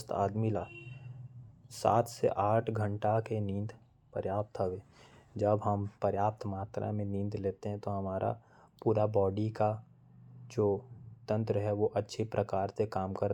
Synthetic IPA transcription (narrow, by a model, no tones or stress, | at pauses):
st̪ʰa̰ːd̪milaː | sa̰ːt̪ʰsḛʔaːʈʰɡʱə̃ɳʈakenĩːnd̪ | pə̰ɾjaːp̚t̪ɦəʋeːd͡ʒəbɦɐmpəɾjaːp̚t̪maːt̪ɾa̰mẽnĩːnd̪leːt̪eɦɛ̃t̪oɦɐmaːɾʔa̰ | puːɾabɔːɖika | d͡ʒoːt̪ə̃nt̪ɾəɦɛʋoʔɐtːʃʰepɾʔəkaːɾsekaːmkɐɾ